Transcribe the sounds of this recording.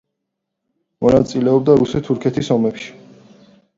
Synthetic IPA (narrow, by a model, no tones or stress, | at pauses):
mɔnat̪sʼilɛɔb̚d̪aɾusɛt̪ʰːuɾkʰɛt̪ʰisɔmɛpʃi̥